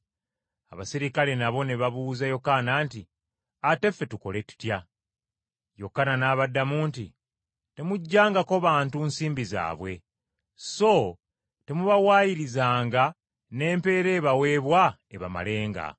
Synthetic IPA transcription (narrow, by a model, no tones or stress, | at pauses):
a̰βasiɾikale̞naβo̞neβaβuzajo̞kanaːnti | ate̞fːe̞tuko̞̰le̞tu̥tja | jo̞kːananaːβadːamuːnti | te̞muɟːaːŋɡako̞βaːntunsiːmbiza̰ːβwe̞ | so̞ | te̞muβawaːjiɾizaːŋɡa | ne̞ːmpe̞ːɾe̞ːβawe̞ːβwa | eβa̰ma̰le̞ːŋɡa̰